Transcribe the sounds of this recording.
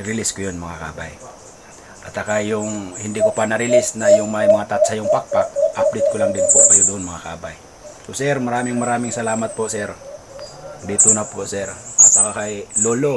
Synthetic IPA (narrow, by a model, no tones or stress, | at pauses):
ɾiliskojonmɐŋaka̰ba̰j | ʔat̪akajʊŋhɪnd̪ɪkopanɐɾilisnajʊŋmajmɐŋat̪at̪sajʊŋpak̚pak̚ʔap̚d̪ɪt̪̚kolaŋd̪ɪnpokajod̪uʔːnmɐŋakabaj | osɛɾmɐɾaːmɪŋmɐɾaːmɪŋsɐlaːmat̪̚posɛɾ | d̪it̪unaposɛɾat̪akakajlolo